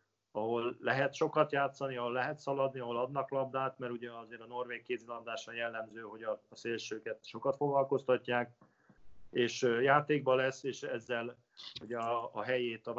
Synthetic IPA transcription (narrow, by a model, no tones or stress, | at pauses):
ɒɦo̞lːɛɦɛt̪ʃo̞kɒt̪jaːt̪sɒniɒɦolːɛɦɛt̪sɒlɒd̪niɒɦo̞lɒd̪nɒklɒb̚d̪aːt̪mɛɾuɟɛɒzeːɾɒno̞rʋeːkkːeːt̪zilɒnd̪aːʃɒnjɛlːɛmzøːɦo̞ɟɒːseːlʃøːkɛt̪ʃo̞kɒt̪fo̞ɡlɒlko̞st̪ɒcːaːk | eːʃjaːt̪eːɡ̚bɒlɛsːeːʃɛzːɛl | uɟɛɒːɦɛjeːt̪ɒv